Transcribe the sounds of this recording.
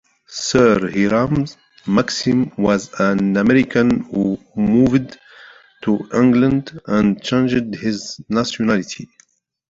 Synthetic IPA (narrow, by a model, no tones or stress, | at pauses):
səɾhiɾãmz | maksĩmwazə̃namɛɾikʰə̃nu | muvd | tʰuʔɪ̃ŋɡlə̃ndə̃nt͡ʃẽnd͡ʒɪdhɪznasionalitʰi